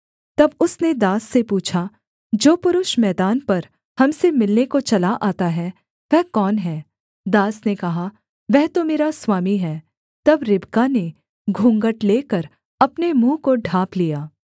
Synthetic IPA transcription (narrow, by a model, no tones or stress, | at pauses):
t̪ɐbʊsned̪aːsːepuːt͡ʃʰa | d͡ʒoːpʊɾʊʃmɛːd̪aːnpɐɾ | hɐmsemɪlnekot͡ʃɐlaʔaːt̪aɦɛː | ʋɛɦkɔːnɦɛː | d̪aːsnekɐɦa | ʋɛɦt̪omeːɾaswaːmiɦɛː | t̪ɐbɾɪbkane | ɡʱũːŋɡəʈleːkəɾ | ɐpnemũːkoɖʱaːplijaː